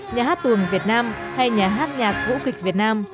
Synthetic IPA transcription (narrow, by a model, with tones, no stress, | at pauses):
ɲaː˨˩ɦaː˦˥t̚t̪ɨ˨˩əŋvi˨˩ət̚naː˧mha˧jɲaː˨˩ɦaː˦˥t̚ɲaː˨˩k̚vṵ˧˥kï˨˩k̟̚vi˨˩ət̚naː˧m